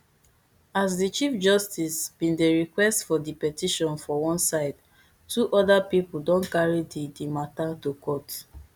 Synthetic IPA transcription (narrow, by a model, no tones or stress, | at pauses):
as̬dit͡ʃifd͡ʒɔstisb̥ĩndeɹikwɛstfɔdipɛtiʃɔ̃nfɔwɔ̃nsaɪd | tuʔɔdapipl̩dɔ̃nkaɹididimatatokɔt